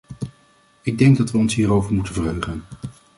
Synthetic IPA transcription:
ɪɡ̚dɛŋɡ̚dɑtʋəɔnsɦiːrowvəɹmutəvəɹɦøɥχən

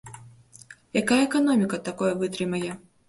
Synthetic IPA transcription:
jakajɐɛkanɔmʲikɐt̪akɔjɐvɨt̪ɾɨmɐjɛ

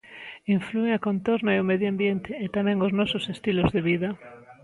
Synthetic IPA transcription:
iɱflueŋakont̪oɾnaeomeðjoambjent̪ɪːt̪amɛ̃ŋoznɔsʊsest̪ilozðeβiðɐ

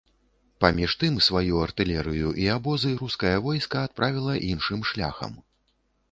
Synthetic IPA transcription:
pamʲiʂt̪ɨmsvajuɐrt̪ɨlʲɛɾɨjuʔiabɔzɨjɾuskɐjɐvɔjskɐːt̪̚pɾʔavʲilˠɐʔinʂɨmʂlʲa̰xɐ̰m

